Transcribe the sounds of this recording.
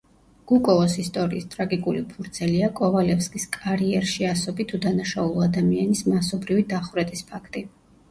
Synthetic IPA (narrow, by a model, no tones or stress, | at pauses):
ɡ̥ukʼɔvɔsist̪ʼɔɾḭːst̪ʼɾaɡikʼulipʰuɾt̪sʰɛliakʼɔvalɛfskʼiskʼaɾiɛɾʃiasɔbit̪ʰud̪anaʃaulˠɔad̪amianismasɔbɾivid̪aχvɾɛt̪ʼispʰakʰt̪ʼi